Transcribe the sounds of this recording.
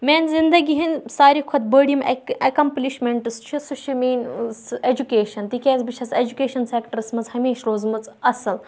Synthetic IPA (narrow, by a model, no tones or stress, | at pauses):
mʲeːnzind̪ɐɡʲiɦinʲsaːɾikʰɐt̪̚bəɽimɐkɐmpliʃmʲeɳʈɨst͡ʃʰisuʃʰimʲiːnʲsed͡ʒukeːʃɐnt̪ikʲeːzbit͡ʃʰɐsed͡ʒukʲeːʃɐnseːkʈɐɾɨsmɐzhɐmeːʃɾoːzmɐt͡sɐsɐl